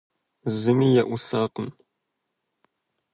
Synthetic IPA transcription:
zɨmijɛʔʷusaːqəm

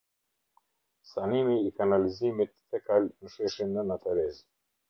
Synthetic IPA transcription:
sanimiːkanalizimit̪fɛkalnəʃɛʃinənat̪alɛz

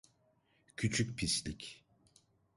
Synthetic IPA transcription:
cʰyt͡ʃʰycpʰislʲic

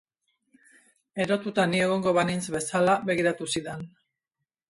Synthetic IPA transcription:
e̞ɾo̞t̪ut̪anie̞ɣ̞o̞ŋɡo̞βaninzβe̞salaβe̞ɣ̞iɾat̪usiðen

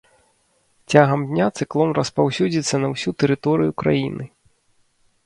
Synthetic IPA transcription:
t͡sʲaɣɐmdʲnʲat̪sɨklˠɔnrɐspawsʲud͡zʲit̪sːɐnɐwsʲut̪ɛɾɨt̪ɔɾɨjukɾa̰jinɨ

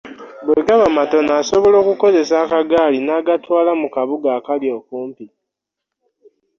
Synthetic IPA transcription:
bweɡaβamato̞naːso̞βo̞lo̞ːkuko̞ze̞saːkaɡaːlinaːɡatwaːlamukaβuɡaːkaljo̞ːkuːmpi

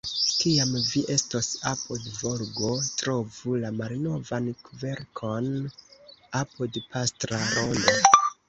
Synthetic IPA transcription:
kiamviʔe̞stosapodvoɾɡo̞tɾo̞vulamalno̞vankve̞ɾkʰo̞n | apodpastɾaɾondo

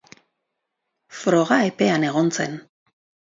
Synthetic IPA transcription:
fɾo̞ɣaepe̞ane̞ɣo̞nt͡se̞̰n

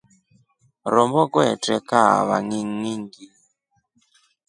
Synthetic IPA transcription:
ɾɔmbɔɡɔɛtɛkaβa̰ŋiŋːiŋɡi

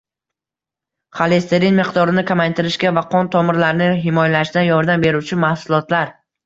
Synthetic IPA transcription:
χalˠest̪ʰeɾinmɪqd̪ɒɾɪnɪkʲʰamajt̪ʰɪɾɪʃkʲavaqʰɒnt̪ʰɒmɪɾlaɾɪnɪɦɪmɒjalaʃd̪anjɒɾd̪ambe̞ɾut͡ʃʰɪmahsʊlˠɒt̪ʰlaɾ

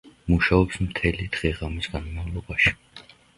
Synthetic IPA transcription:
muʃaɔpsmt̪ʰɛlid̪ʁɛʁamisɡ̥anmavlˠɔbaʃi̥

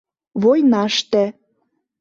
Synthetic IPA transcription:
vojnɑʃt̪ĕ

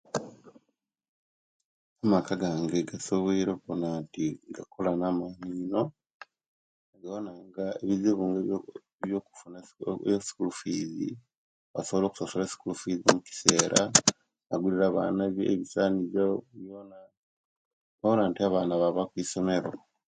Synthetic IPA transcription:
amakaɡaŋɡeɡasoβiːɾokonantiɡakolanamaniːno̞ | eɡaonaŋɡaeβiziβuːŋɡe | βjo̞ːku̥funaosi̥kulufiːzḭ | βasoβolo̞ːku̥sosolesi̥kulufizimuci̥se̞ːɾʔa | βaɡuliɾaːβa̰ːnaβjḛβisaːnizoβjoːna | oɾaːntiaβaːnaβaβakwiːso̞me̞ɾo̰

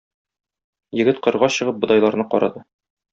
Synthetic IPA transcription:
jɘ̆ɡɘt̪qɤ̆ɾʁɑɕɤ̆ʁɤp̚bŏd̪ɑjlˠɑɾnɤqɒɾɑ̰d̪ɤ

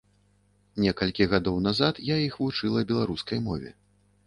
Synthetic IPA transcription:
nʲɛkɐlʲkʲiɣad̪ɔwnazat̪jaixvut͡ʂɨlˠɐbʲɛlˠaɾuskɐjmɔvʲɛ̰

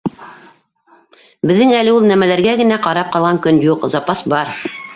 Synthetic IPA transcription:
bɘ̆ðːɘŋælɘ̆ulˠnæmælæɾɡæɡɘ̆næqɑɾɑp̚qɑlˠʁɑŋkɵnjuqzɑpɑsbɑɾ

